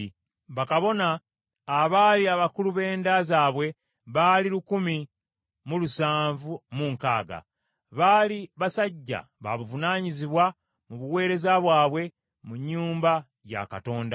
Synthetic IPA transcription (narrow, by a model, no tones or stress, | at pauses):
βakaβo̞naː | βaːliaβakuluβe̞ːndazaːβwe̞ | βaːlilukumi | mulusaːɱvumuŋka̰ːɡa̰ | βaliβasaɟːa̰ | βa̰βuvunaːɲiziβwa | muβuwe̞ːɾe̞zaβwaːβwe̞ | muɲːuːmba | ja̰ka̰to̞ːnda